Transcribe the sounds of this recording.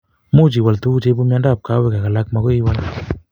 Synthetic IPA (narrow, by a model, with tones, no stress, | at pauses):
mu˦t͡ʃi˨wa˨ltu˦t͡ʃe˦pu˦mjanda˦˨p̚ka˦wɛ˨ka˨ka˨lak̚ma˦ko˦i˦wa˦l